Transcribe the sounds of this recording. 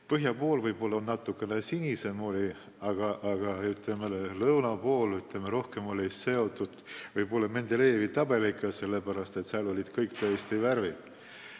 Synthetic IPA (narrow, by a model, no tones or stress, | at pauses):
pɤɦjɑpo̞ːlvɤjbo̞lːɑnɑt̪ːˑukˑːe̞nesinʲise̞moːlʲi | ɑɡ̥ɑʔɑɡ̥ɑyt̪lemelelɤwnɑpo̞ːlyt̪lemeɾo̞hke̞mo̞lʲise̞o̞t̪ːˑud̪̥vɤjbo̞lːɑme̞nd̪̥ele̞ːvit̪ɑb̥e̞likːˑɑse̞lːepæɾɑst̪et̪sæɑːlo̞lʲid̪̥kɤjkt̪øest̪iværvid̪̥